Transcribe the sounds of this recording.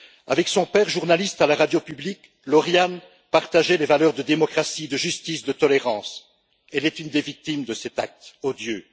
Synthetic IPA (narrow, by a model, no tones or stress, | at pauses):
a̰vɛksɔ̃pɛːʁʒuʁnalist̪alaʁad̪jopyblik | lɔʁjan | paʁt̪aʒɛlevalœʁd̪əd̪emɔkχasid̪əʒyst̪isd̪ət̪ɔleʁɑ̃ːs | ɛlɛt̪ynd̪evik̚t̪imd̪əsɛt̪ak̚t̪ɔd̪jø